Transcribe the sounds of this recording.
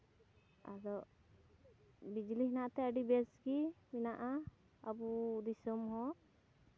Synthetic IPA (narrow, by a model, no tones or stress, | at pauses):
a̰d̪ɔʔ | bid͡ʒliɦnaʔt̪ɛəɖibɛsɡiminaʔa | abud̪isɔmɦɔ̃